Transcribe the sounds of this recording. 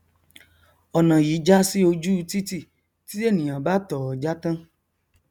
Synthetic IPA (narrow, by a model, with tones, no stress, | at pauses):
ɔ˨nã˨ji˨˦d͡ʒa˦si˦o˧d͡ʒu˦˧t̪i˦ti˦˨ | ti˦e˦˨nĩ˨ã˨ba˦t̪ɔ˨ɔ˨d͡ʒa˦t̪ã˦